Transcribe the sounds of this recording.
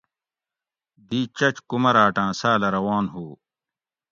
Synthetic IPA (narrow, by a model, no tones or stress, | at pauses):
d̪iːt͡ɕɐt͡ɕkumɐɾaːʈãːsaːlɐɾɐwaːnɦuː